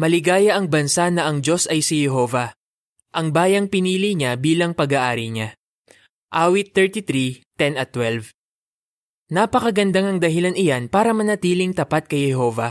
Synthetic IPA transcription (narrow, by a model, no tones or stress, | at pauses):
mɐlɪɡaːjɐʔɐŋbɐnsanɐʔɐŋd͡ʒo̞sɐjsihɛɦo̞ːvɐ | ʔɐŋbaːjɐŋpɪniːliɲabiːlɐŋpɐɡaʔaːɾiɲa | ʔaːwɪt̪ːɛɹt̪it̪ɾit̪ɛnɐt̪ːwɛlv | napɐkɐɡɐnd̪aŋɐŋd̪ɐɦɪlanɪjanpaːɾɐmɐnɐt̪iːlɪŋt̪ɐpat̪̚kɐjhɛɦo̞ːvɐ